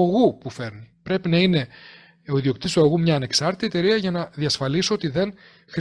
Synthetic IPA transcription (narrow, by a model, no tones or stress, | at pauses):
ɐɣupufe̞ɾnipɾe̞pinɐine̞ | o̞iðio̞k̚t̪ist̪uɐɣumɲɐːneksɐɾt̪i̥t̪iet̪e̞ɾiɐʝɐnɐðiɐsfɐlisoot̪iðe̞n | xɾ